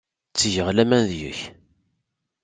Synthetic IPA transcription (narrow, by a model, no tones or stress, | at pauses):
t͡sːʝəʁlæmænðjə̰ç